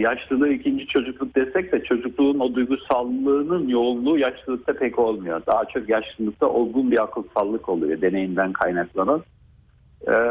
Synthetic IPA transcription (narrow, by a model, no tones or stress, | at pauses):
jaʃlˠɯlˠɯːicʰind͡ʒit͡ʃʰo̞d͡ʒuklˠuk̚d̪est̪ʰɛc̚d̪ɛt͡ʃʰo̞d͡ʒuklˠuːno̞d̪ujɡusalːˠɯːnɯnjo̞unlˠuːjaʃlˠɯlˠɯk̚t̪ʰapʰɛco̞lˠmujo̞d̪aɦat͡ʃʰo̞kjaʃlˠɯlˠɯk̚t̪ʰa̰ʔolˠɡunbiɾakʰɯlˠsalˠːɯko̞lˠṵjo̞d̪e̞ne̞jind̪ænkʰajnaklˠanan